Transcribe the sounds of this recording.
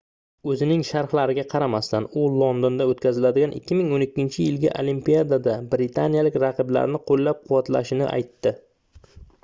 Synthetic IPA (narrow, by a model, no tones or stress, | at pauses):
ɵzɪnɪŋʃaɾhlaɾɪɡʲaqʰɑɾamast̪anʊlˠond̪ond̪aot̪̚kʲʰazɪlad̪ɪɡʲanʔɪ̰kʲʰːɪmɪŋonɪkʲːɪnt͡ʃʰɪjɪlɡʲa̰ʔolimpijad̪ad̪abɾɪt̪ʰanijalɪkʲɾɑqʰɨbla̰ɾnɪqʰolːap̚qʰʊwat̪la̰ʃɪnɪ̰ʔa̰jt̪ːɪ